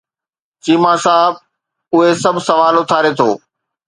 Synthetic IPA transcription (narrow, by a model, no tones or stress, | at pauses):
t͡ɕiːmasaːb̚ | ʊɦesɐbʱsɐʋaːlʊt̪ʰaːɾet̪ʰoː